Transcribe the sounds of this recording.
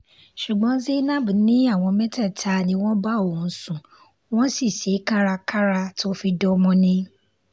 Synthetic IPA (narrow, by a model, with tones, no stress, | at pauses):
ʃu˨ɡ͡bɔ̃˨˦ze˦nã˦bu˨nĩ˦a˦˨w̃ɔ̃˧mɛ̃˦tɛ˦˨tʰa˧nĩ˧w̃ɔ̃˦ba˦õ˨˦sũ˨ | w̃ɔ̃˦si˦˨se˨˦ka˦ɾa˧ka˦ɾa˧to˦fi˧dɔ˧mɔ̃˧nĩ˧